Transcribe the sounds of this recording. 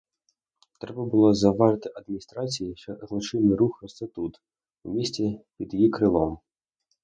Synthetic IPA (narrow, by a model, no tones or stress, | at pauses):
t̪ɾɛbɐbʊlˠɔzɐʋɑʒɪt̪ɪʔɐd̪̚mʲnʲist̪ɾɑt͡sʲijiʃt͡ʃɔzlˠɔt͡ʃɪnɪɾuxɐsʲɐt̪ut̪ | umʲisʲt͡sʲipʲid̪jjikɾɪlˠɔm